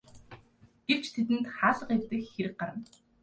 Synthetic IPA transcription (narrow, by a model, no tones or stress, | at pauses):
ɡ̥ew̥t͡ɕt̪ʰet̪̬ɘ̆nt̪χaːɮə̆qew̥t̪ɘ̆kxeɾɘ̆k̚ɢaɾə̆n